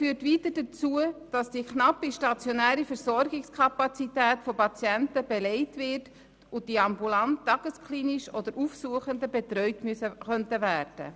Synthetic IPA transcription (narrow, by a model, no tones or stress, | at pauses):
fyːtʋitəɾd̥ət͡suəd̥ɑsd̥iknɑpiʃtɑt͡sjɔnæːɾifəɾsɔɾɡɪkskʰɑpɑt͡sitæːtfopɑt͡sjɛntəb̥elɛɪtʋɪrt | ʊdiɑmbulɑntːɑɡ̥əskʰχliːniʃɔd̪əɾʔuːfsuəχəndəbet̪ɾœʏtmyəχœntəʋæːrd̥ə̰